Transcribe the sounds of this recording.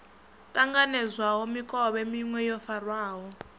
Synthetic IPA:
tʼaŋɡanɛzwaɦɔmikʼɔɓɛmiŋwɛjɔfarwaːɦɔ

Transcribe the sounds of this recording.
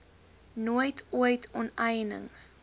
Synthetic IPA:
nojtʰuəjtʰɔnɛjnə̰ŋ

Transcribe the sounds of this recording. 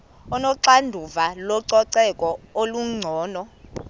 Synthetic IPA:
ɔnɔǀandʱuvalɔǀɔǀɛkʼɔoluŋ͡ǀʱɔːnɔ

